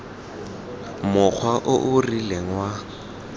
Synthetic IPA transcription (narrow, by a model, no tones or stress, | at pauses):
mʊk͡xʰwaʔʊʔʊrileŋwa